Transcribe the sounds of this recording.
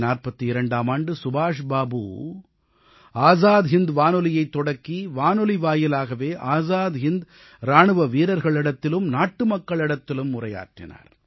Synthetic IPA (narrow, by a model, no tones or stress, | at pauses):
naːrpɐt̪ːɯɪɾɐɳɖaːmaːɳɖɯsʊbaːʂbaːbṵː | aːzaːd̪ɦɪnd̪ʋaːnɔlɪjɐɪt̪ːɔɽɐkːiʋaːnɔliʋaːjɪlaːɣɐʋeːʔaːzaːðɦɪnd̪ | ɾaːɳɯʋɐʋiːɾɐɾɣɐɭɪɽɐt̪ːɪlɯmnaːʈːɯmɐkːɐɭɪɽɐt̪ːɪlɯmːʊrɐja̰ːʈrɪ̰na̰ːɾ